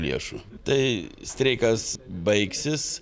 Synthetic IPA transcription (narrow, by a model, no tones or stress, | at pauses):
lʲḭɛʃʊt̪ɐɪsʲt̪ʲɾʲɛɪkɐsbɐɪksʲɪs